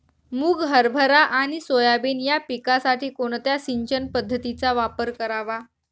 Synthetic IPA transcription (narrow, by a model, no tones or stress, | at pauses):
muːɡɦəɾbʱəɾaʔaɽ̃isojabinjapikasaʈʰiːkoɳ̃t̪jasiɲt͡ɕənpəd̪ʱːət̪it͡saʋapəɾkəɾaʋa